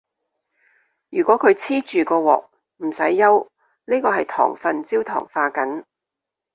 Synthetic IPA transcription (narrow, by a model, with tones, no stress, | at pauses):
jyː˨˩kwɔː˨˥kʰɵ˨˧ɥt͡sʰiː˥t͡ʃyː˨kɔː˧wɔ̰ː˨k̚ | m̩˨˩sɐ˨˥jːɐ˥w | niː˥kɔː˧hɐ˨jt̪ʰɔ̰ː˨˩ŋfɐ˨nt͡siː˥wt̪ʰɔ̰ː˨˩ŋfaː˧kɐ˨˥n